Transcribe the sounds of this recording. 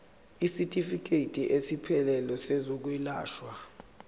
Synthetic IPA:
isitʼifik̬ʰʼetʼiʔesipʰɛlɛlɔsezɔk̬wilaːʃwa

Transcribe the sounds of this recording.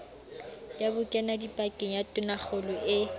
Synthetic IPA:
jjabʊkʼɛnadipʼakʼɪŋ̩jatʼʊnaχʰʊlʊʔɪ

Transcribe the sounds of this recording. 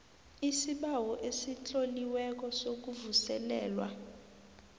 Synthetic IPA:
isiɓawɔʔesit͡ɬʼoliwɛk̬ɔsok̬uvusɛlɛ̰ːlwa̰

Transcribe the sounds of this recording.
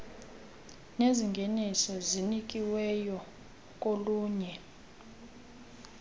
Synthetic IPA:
neziŋɡʱenisɔzinik̬ʼiwɛjɔ | k̬ʼoluːɲɛ

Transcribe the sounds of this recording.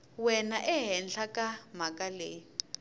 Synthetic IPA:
wɛnaʔɛɦɛnɬʰakʼamakʼaleːji

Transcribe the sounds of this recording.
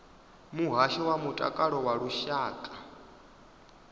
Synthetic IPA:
muɦaʃɛwamutʼa̰kʼaɺɔwaɺuʃaːkʼa

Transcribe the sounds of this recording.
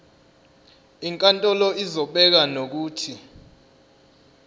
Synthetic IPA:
iŋkʼantʼɔlɔizɔɓɛk̬anok̬uːtʰi

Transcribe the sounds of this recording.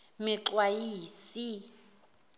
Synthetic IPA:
mɪǁwajiːsi

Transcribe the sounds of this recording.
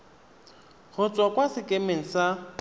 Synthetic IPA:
ɣʊt͡sʼwakʼwasɪkʼemeŋ̩sa

